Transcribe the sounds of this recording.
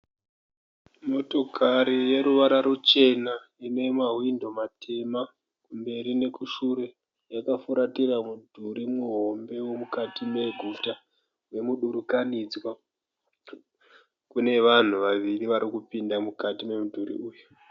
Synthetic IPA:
mo̞to̞kʰaɾije̞ɾuʋaɾaɾut͡ʃe̞na | ino̞imaɦwindo̞matʰe̞ma | kumbe̞ɾine̞kuʃuɾe̞ | jakafuɾatiramudʱuɾimuɦo̞mbe̞wo̞mukatime̞ɡʱuta | wemuɗuɾukanid͡zwa | kune̞ʋan̤uʋaʋiriʋaɾikupindamukatime̞mudʱuɾḭuːju

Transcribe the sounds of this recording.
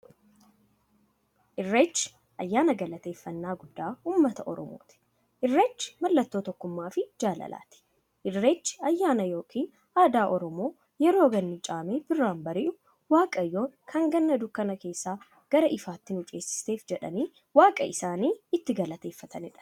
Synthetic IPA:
ʔɪrːeːt͡ʃːɪ̥ | ʔɐjːaːnɐɡɐlɐt̪e̞ːfːɐnːaːɡʊd̪ːaːhuːmːɐt̪ɐʔɔ̰ɾɔ̰mo̰ːt̪ɪ̥ | ʔɪrːeːt͡ʃːɪ̥mɐlːɐt̪ːoːt̪ɔkːʊmːaːfɪd͡ʒaːlɐ̰la̰ːt̪ɪ̥ | ʔɪrːeːt͡ʃːɪ̥ɐjːaːnɐjo̞ːkʰʼiːn | aːd̪aːʔɔɾɔmo̞ː | jɛɾo̞ːɡɐnːɪt͡ʃʼaːmeːbɪrːaːmbɐɾɪʔʊ | waːkʼɐjːo̞ːŋkʰɐŋɡɐnːɐd̪ʊkːɐnɐke̞ːsːaː | ɡ̥ɐɾɐʔɪfaːt̪ːɪnʊt͡ʃʼe̞ːsːɪ̥st̪e̞ːfd͡ʒɛᶑɐ̰niː | waːkʼɐ̰ɪsaːniːɪt̪ːɪɡɐlɐt̪e̞ːfːɐt̪ʰɐnɪᶑɐ̥

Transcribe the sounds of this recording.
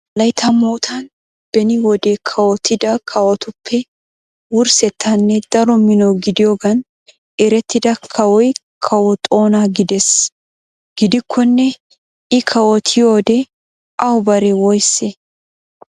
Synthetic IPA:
lɐjt̪ʰɐmoːt̪ʰɐn | b̥ɛnɪwɔd̪ekʰɐwɔt̪ʰːɪd̪ɐkʰɐwɔt̪ʊpʰːɛ | wʊɾsɛt̪ʰːɐnːɛd̪ɐɾɔmɪnɔwɡɪd̪ɪjoːɡɐn | ɛɾɛt̪ːɪd̪ɐkʰɐwɔj | kʰɐwɔt̪ʼo̞ːnaɡɪd̪ɛs | ɡ̥ɪd̪ɪkʰːɔnːɛ | ʔɪkʰɐwɔt̪ʰɪjoːd̪ɛ | ʔɐwbɐɾɛwɔjsːe

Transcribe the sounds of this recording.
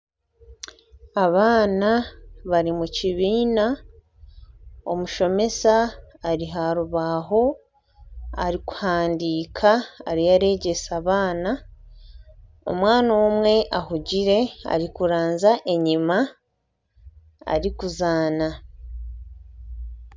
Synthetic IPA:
aβaːnaβaɾimuciβiːna | omuʃo̞me̞saːɾiɦaɾuβaɦo̞ | a̰ɾiku̥haːndiːkʰa̰ːɾijaɾe̞ːɟe̞saβaːna | o̞̰mwaːnaomwe̞ʔaɦuɟiɾe̞a̰ɾikuɾaːnzaʔe̞ɲima | a̰ɾikuzaːna

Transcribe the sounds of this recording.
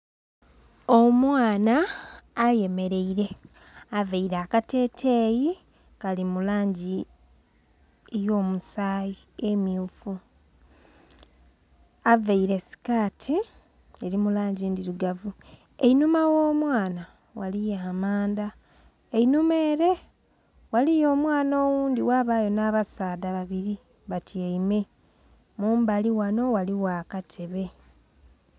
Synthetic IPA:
omwaːnaː | je̞me̞ɾe̞iɾe̞ | aveiɾaːkate̞ːtʰeːji | kalimulaːɲɟi | ejo̞ːmusaːjiemjuːfu | aveiɾe̞si̥kaːtʰi | e̞ɾimulaːɲɟeːndiɾuɡavu | einumawoːmwaːna | walijaːmaːnda | einume̞ːɾe̞ | walijo̞ːmwaːnoːwuːndiwaːβaːjo̞naːβasaːdaβaβiɾi | βatieime̞ | muːmbaliwano̞waliwakatʰeβe̞

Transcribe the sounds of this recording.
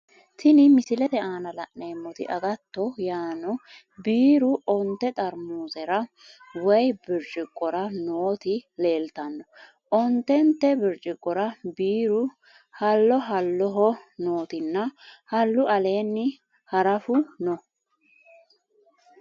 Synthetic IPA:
t̪ɪnɪmɪsɪlɛt̪ɛʔaːnɐlɐʔneːmːɔt̪ɪ̰ʔɐɡɐt̪ːɔjaːnɔ | biːɾʊɔnt̪ːɛt̪ʼɐɾmuːzɛɾɐ | wɔjbɪɾd͡ʒʼɪkʼːɔɾɐnoːt̪ɪle̞ːlt̪ɐnːɔ | ʔɔnt̪ːɛnt̪ːɛbɪɾt͡ʃʼɪkʼːɔɾɐbiːɾʊ | hɐlːɔɦɐlːɔɦɔnoːt̪ɪnːɐhɐlːʊɐle̞ːnːɪ | hɐɾɐfʊnɔ

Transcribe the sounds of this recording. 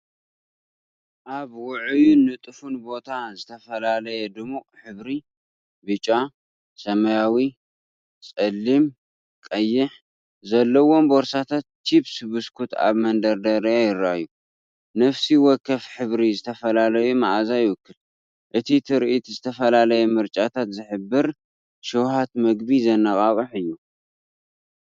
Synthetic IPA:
ʔaβwʊʕɨjunːɨt̪ʼɨfunbo̞t̪ʰazɨt̪ʰɐfɐlalɐjɛd̪ɨmukʼħɨβɾi | bɨt͡ʃʼa | sɐmɐjawi | t͡sʼɐlːim | kʼɐjːɪħ | zɐlːɐwo̞mboɾsat̪ʰat̪ːiβsɨβɨskʰut̪ʰa̰βmɐnd̪ɐɾd̪ɐɾɐjajɪɾːaju | nɐfsiwɔkːɐfħɨβɾizɨt̪ʰɐfɐlalɐjumaʔazajɪwʊkːɨl | ʔɨt̪ʰit̪ʰɨɾʔit̪ʰzɨt̪ʰɐfɐlalɐjɛmɨɾt͡ʃʼat̪ʰat̪zɨħɨbːɨɾ | ʃɨwhat̪mɐɡbizɐnːɐkʼaβʼɨħɨjːu

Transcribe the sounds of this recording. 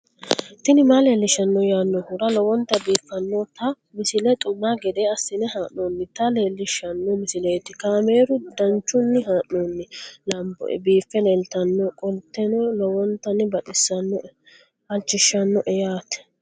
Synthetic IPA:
t̪ɪnɪmale̞ːlːɪʃːɐnːɔjaːnːɔhʊɾɐlɔwɔnt̪ːɐbiːfːɐnːɔt̪ɐ | mɪsɪlɛt̪ʼʊmːaːɡɛd̪eːɐsːɪnɛhaːʔoːnːɪt̪ɐle̞ːlːɪʃːɐnːɔmɪsɪleːt̪ɪkame̞ːɾʊd̪ɐnt͡ʃːʊnːɪɦaːʔnoːnːɪlɐmbɔ̰biːfːɛleːlt̪ɐnːɔkʼɔlt̪ːɛnɔlɔwɔnt̪ːɐnːɪbɐt̪ʼɪsːɐnːɔ | ɐlt͡ʃːɪʃːɐnːɔʔɛjaːt̪

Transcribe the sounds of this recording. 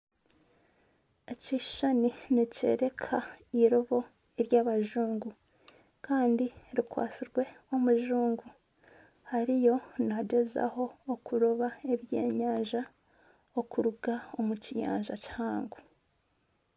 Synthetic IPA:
eciʃaninice̞̰ɾe̞kʰaiɾoβo̞ | eɾjaːβaʒuːŋɡu | kaːndiɾikwa̰ːt͡siɾɡwe̞omuʒuːŋɡu | haɾijo̞naɟe̞za̰ho̞ːkuɾoβae̞βje̞̰ːɲaːɲʒa | okuɾuɡaomucija̰ːɲʒa̰cihaːŋɡu

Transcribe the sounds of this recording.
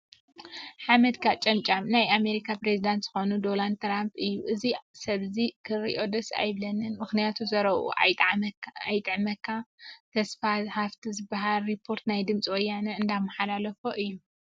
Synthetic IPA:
ħamɐd̪kʰat͡ʃʼɐmt͡ʃʼamnajame̞ɾikʰapɾezid̪ant̪z̥ɨxo̞nud̪o̞land̪̚t̪ɾampʼɨjːuʔɨzisɐβzikʰɨɾḭʔo̞d̪ɐsa̰jβlɐnɨnmɨxnijat̪ʰuzɐɾɐβṵ | ajt̪ʼɨʕmɐkʰːat̪ʰɐsfazħaft̪ʰizɨbaɦalɾipʰːo̞ɾt̪najd̪ɨmt͡sʼiwɔjːanɐɨnd̪amːɐħalalɐfoʔɨjːu

